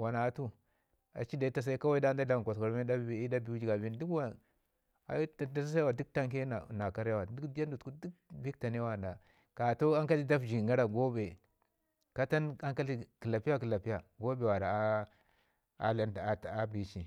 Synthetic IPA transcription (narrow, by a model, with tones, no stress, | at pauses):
wa˨na˨˦tu˦ | a̰˨t͡ʃi˦da˨i˦ta˨s̬a˦i˦ka˦wa˦i˦da˦n˦da˦la˨kʷa˨ska˨ɾme˦da˦˨i˦da˦bi˨u˦d͡ʒi˨ɡa˨bi˦n˦du˦kwa˨ | a̰˨˦ta˨da˦sa˦s̬a˦a˦wa˨du˦k̚ta˦ŋke˦na˨na˨ka˦ɾja˦wa˨du˦ka˦ndu˨tku˦du˦k̚bi˦kta˨ne˦wa˦˨nda˨ | ka˨to˦a˦ŋka˦li˦da˦fd͡ʒi˨ŋɡa˦ɾa˨ɡo˦be˨ | ka˦ta˦na˦ŋka˦li˦ki˨la˨pi˦ja˦ki˨la˨pi˦ja˨ɡo˦be˨wa˨ɾa˨a˦ | a̰˨˦la˦n˨a˦bi˦t͡ʃi˨